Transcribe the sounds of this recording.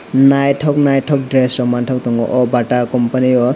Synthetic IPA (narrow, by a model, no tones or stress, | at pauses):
najʈʰɔknajʈʰɔk̚ɖɾesɾɔmantʰɔk̚t̪ɔŋɡɔ̰ʔɔbaʈakɔmpaniɔ